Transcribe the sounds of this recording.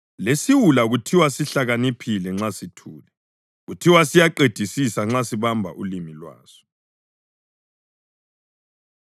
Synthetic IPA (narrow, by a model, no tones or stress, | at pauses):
lesiwulaɣutʰiwasiɬaɣanipʰilɛŋ͡ǁasitʰuːlɛ | ɣutʰiwasijaǃed̥ʱisisaŋ͡ǁasiβambʱa̰ʔṵlimilwa̰ːzɔ̥